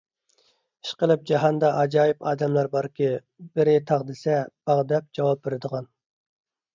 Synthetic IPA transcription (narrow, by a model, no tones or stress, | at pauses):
i̥ʃqəlˠɪp̚d͡ʒɑɦɑnd̪ɑʔɑd͡ʒɑːjipʰɑːd̪ɛmlæɾbɑɾkʲʰɪ | bɪɾɪt̪ʰɑʁd̪ɪsɛb̥ɑʁd̪ɛp̚d͡ʒɑwɑp̚beɾɪd̪əʁɑn